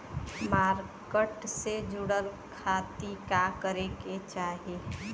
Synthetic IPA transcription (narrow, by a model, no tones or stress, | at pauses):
maːɾkəʈsed͡ʒuɽəl | kʰat̪ikakəɾeket͡ʃaːɦe